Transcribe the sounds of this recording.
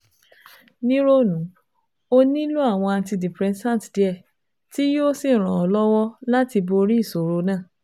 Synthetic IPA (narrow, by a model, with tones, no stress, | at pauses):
nĩ˦ɾo˦˨nũ˨˦ | o˧nĩ˦lu˦a˦˨w̃ɔ̃˧a˧nti˧di˨pɾɛ̃˧nsã˦˨tdi˨˦ɛ˦˨ | ti˦jo˦si˦˨ɾ̃ã˨ɔ˨lɔ˦wɔ˦la˦ti˧bo˧ɾi˦˨so˨ɾo˧˦nãː˦˨